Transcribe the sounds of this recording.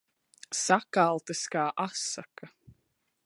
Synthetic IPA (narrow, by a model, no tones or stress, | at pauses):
sakalˠt̪ɨskaːʔasakɐ